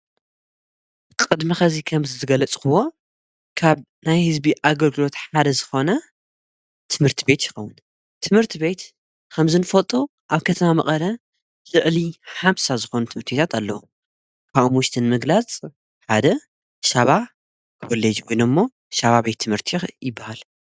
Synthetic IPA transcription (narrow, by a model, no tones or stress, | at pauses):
kʼɨd̪mixɐzikʰɐmzɨzɨɡɐlɐt͡sʼkɨwo̞ | kʰaβ | najhɨzbiʔaɡɐlɡɨlo̞t̪ħad̪ɐzɨxo̞nɐ | t̪ʰɨmhɨɾt̪ʰibe̞t̪jɪ̥xɐwːʊn | t̪ʰɨmhɨɾt̪ʰiβe̞t̪ | kʰɐmzɨnfɐlt̪ʼu | ʔaβkʰɐt̪ʰɐmamɐχʼɐlɐ | z̥ɨʕliħamsazɨxo̞nut̪ʰɨmɨɾt̪ʰibet̪ʰat̪alːɐwu | kʰaʔumwʊʃt̪ʰɨnmɨɡlat͡sʼ | ħad̪ɐ | ʃaβa | kʰo̞led͡ʒwojnomːo̞ | ʃaβaβet̪ʰːɨmhɨɾt̪ʰijɪbːahal